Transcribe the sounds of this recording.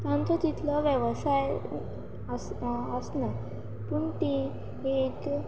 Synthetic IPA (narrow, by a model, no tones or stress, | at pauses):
t̪ant̪ʰɔd͡ʑit̪ʰlɔʋjəʋsaj | səsna | puɳt̪ĩ | ek